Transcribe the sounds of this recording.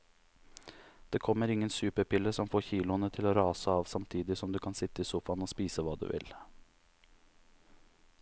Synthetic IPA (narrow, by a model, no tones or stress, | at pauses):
d̪̥eːkʰɔmːəɾɪŋːənsʉːpəɾpʰɪlːəsɔmfoːçiːlʊənət̪ʰɪloːɾɑːsəɑːʋsɑmt̪ʰiːd̪ɪsɔmd̪ʉːkʰɑnsɪt̪əiːsʊfɑnoːspiːsəʋɑːd̪ʉ̰ːʋɪ̰l